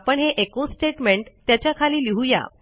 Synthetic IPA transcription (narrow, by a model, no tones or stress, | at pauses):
pəɳɦeʔekosʈeʈmeɳʈt̪jat͡ɕjakʰaliːliɦuja̰